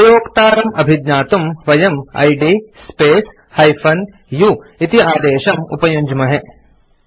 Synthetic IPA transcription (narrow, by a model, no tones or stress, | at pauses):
ɐjoːkt̪aːɾɐmɐbʱid̪ɲaːt̪umʋɐjɐmɐ̰jɖispeːs | hɐjpʰɐn | juit̪iaːd̪eːʃɐmṵpɐjuɲd͡ʒmɐɦɛ